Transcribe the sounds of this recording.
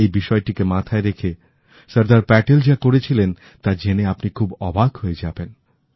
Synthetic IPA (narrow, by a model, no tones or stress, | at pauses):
ejbiʃɔeʈikemat̪ʰaeɾekʰe | səɾd̪aɾpɛʈeld͡ʑakoɾet͡ɕʰilen | t̪aɾd͡ʑeneapnikʰubɔbʱaɡɦoed͡ʑaben